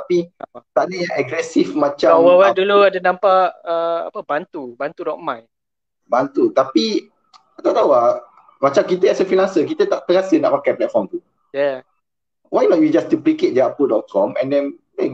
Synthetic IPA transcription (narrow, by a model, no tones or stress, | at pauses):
t̪apit̪aʔnəaʔɛɡɾɛsifmat͡ʃãwəwaduluadənãmpaʔəa̰pəbant̪ubant̪udɔʔ̚mãj | bant̪ut̪api | at̪at̪awa | mat͡ʃãmkit̪əɛsəfinãnsək̬it̪ət̪aʔt̪əŋasəna̰ʔmakãplɛt̚fɔmt̪u | ja | wajnɔt̚jud͡ʒastupliket̚dəapudɔt̚kʰɔ̃mɛ̰̃ndɛ̃n | e